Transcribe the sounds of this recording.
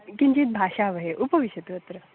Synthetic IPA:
kiɲd͡ʑiːt̪̚bʱaɕaʋəɦeʔupəʋiɕət̪ʋət̪ɾə

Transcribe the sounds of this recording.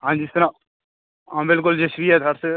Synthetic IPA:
ɦãːnd͡ʒiɪst̪ɾa | ãmbɪlk̬ʊld͡ʒesɾiɛd̪ʱəɾse

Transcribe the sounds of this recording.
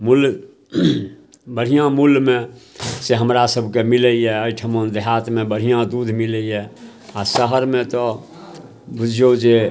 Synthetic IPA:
mul | bəɽ̤ijãmulmẽseɦəmɾasəbʱkemiləiɛəɪʈʰəmond̪eɦaːt̪mẽbəɽ̤ijãd̪ud̪ʱmiləiɦɛ | asəɦəɾmẽt̪ɔ | bud͡ʒʱod͡ʒe

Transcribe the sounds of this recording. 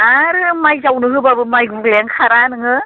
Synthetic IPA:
aɾɯmajzawnɯɦɯbabɯmajɡuɡleŋkʰaɾanɯŋɯ

